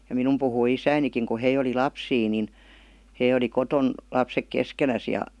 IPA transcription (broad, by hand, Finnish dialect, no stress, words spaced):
jɑ minum puhui isæinikiŋ ku hei oli lɑpsiː nin hei oli koton lɑpsek keskenæs jɑ